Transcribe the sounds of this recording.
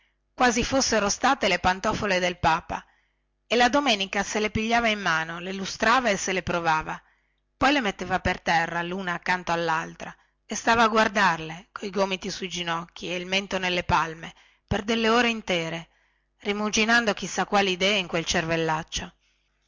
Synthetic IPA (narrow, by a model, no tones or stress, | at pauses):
kwaːzifosːeɾost̪aːt̪elepant̪ɔfoled̪elpaːpa̰ | elad̪omɛːnikaselepiʎːaːvaimːaːnolelust̪ɾaːvaeselepɾovaːva | pɔjlemet̪ːeːvapert̪ɛrːaluːnaːkːant̪oalːalt̪ɾa | est̪aːvaːɡward̪arlekoiɡoːmit̪isuid͡ʒinɔkːieilment̪onelːepalme | perd̪elːeoːɾeint̪ɛːɾe | rimud͡ʒinand̪ok̟isːakːwaːliid̪ɛːiŋkwelt͡ʃervelːat͡ʃːo